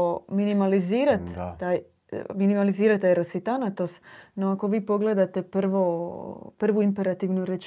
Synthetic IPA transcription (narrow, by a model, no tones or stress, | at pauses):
minimaliziːɾat̪ːaːj | minimaliziːɾat̪ːajɾosit̪anat̪osnoako̞ʋiːpo̞ɡle̞d̪at̪e̞pr̩ʋopr̩ʋuimpe̞ɾat̪iʋnuɾet͡ʃ